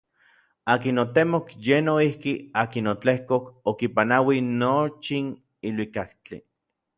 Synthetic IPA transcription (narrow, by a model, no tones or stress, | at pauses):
aːkinot̪emokjenoihkiaːkinot͡ɬehkokokipanawinot͡ʃin | ilwikakt͡ɬḭ